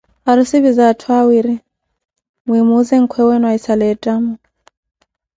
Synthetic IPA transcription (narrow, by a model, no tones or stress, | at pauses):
aɾusiβizatʰwawiɾi | mwimuzɛŋ̩kʰwɛwɛnwaisalɛtʼamu